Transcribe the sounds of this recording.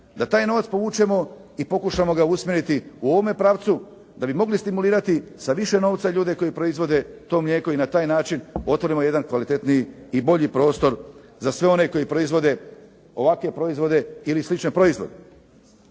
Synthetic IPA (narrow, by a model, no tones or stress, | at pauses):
d̪at̪aːjno̞ʋat̪spo̞ʋuːt͡ʃe̞mo̞ipo̞kuʃamo̞ɡausmʲjeɾit̪iuo̞ʋome̞pɾaːʋt̪su | d̪abimo̞ɡlist̪imuliːɾat̪isaʋiʃe̞no̞ːʋt̪saʎuːd̪e̞ko̞jipɾo̞izʋo̞d̪e̞t̪o̞ːmʎeːkoinat̪aːjnaːt͡ʃino̞t̪ʋo̞ɾimo̞je̞d̪ankʋalit̪e̞t̪nijiibo̞ʎipɾo̞ːst̪o̞ɾzasʋe̞o̞ne̞ko̞jipɾoizʋo̞d̪e̞ | o̞ʋakʋe̞pɾo̞izʋo̞d̪e̞ilislit͡ʃnepɾo̞izʋo̞̰d̪e